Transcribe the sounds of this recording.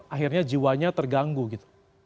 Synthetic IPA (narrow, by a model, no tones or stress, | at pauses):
aɦirɲad͡ʒiwaɲat̪ərɡaŋɡuɡit̪u̥